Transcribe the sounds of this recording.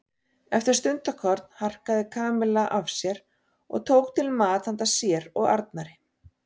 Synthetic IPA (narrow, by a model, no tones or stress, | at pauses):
ɛft̪ɪɾ̥st̪ʏnt̪akʰvɔɾt̪nhar̥kaðɪkʰaːmɪlɛʔavsjɛɾ | ɔ̰ɣt̪ʰowk̚t̪ʰɪlmaːt̪hant̪asjɛɾɔɣa̰ɾt̪̚naɾɪ